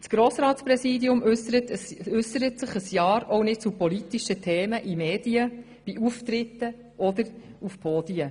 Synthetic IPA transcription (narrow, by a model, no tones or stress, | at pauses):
sɡ̥ɾoːsɾɑːtspɾɛsiːdiʊmətʏsəɾətsɪχəsjɑːɾɔwnɪt̚t͡supɔlitiʃətʰɛːməʔimeːd̥iə | b̥iuft̪ɾɪt̪ːə | ʔɔd̪əɾufpʰoːd̥iə